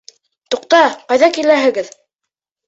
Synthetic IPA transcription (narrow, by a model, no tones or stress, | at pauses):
t̪uq̚t̪ɑqɑjðɑkilæɦɘ̆ɡɘð